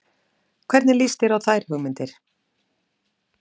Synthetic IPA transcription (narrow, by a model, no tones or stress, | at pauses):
kʰvɛɾt̪nɪlist̪ɪɾawθajɾ̥hʏɣmɪnt̪ɪɾ̥